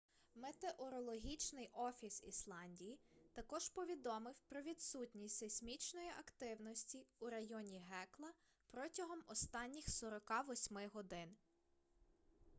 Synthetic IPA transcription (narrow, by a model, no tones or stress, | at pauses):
met̪eʔɔɾɔlˠɔɦʲit͡ʃnɪjʔɔfʲisislˠɑnʲdʲijit̪ɐkɔʒpɔʋʲid̪ɔmɪwpɾɔʋʲid̪sutʲnʲisʲtʲsesʲmʲit͡ʃnɔjiʔɐkt̪ɪwnɔsʲtʲiuɾɐjɔnʲiɦɛklˠɐ | pɾɔtʲɐɦɔmɔst̪ɑnʲːixsɔɾɔkɑʋɔsʲmɪɦɔd̪ɪn